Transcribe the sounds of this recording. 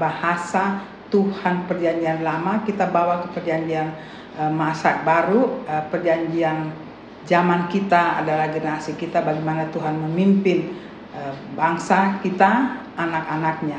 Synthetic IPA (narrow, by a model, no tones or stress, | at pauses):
bahasa | t̪uhanpərd͡ʒaɲd͡ʒianlamakit̪abawakəpərd͡ʒaɲd͡ʒian | masabaɾupərd͡ʒaɲd͡ʒian | d͡ʒamankit̪aa̰dalahɡənasikit̪abaɡemanat̪uɦanməmimpɪn | əbaŋsakit̪aː | nakanak̚ɲa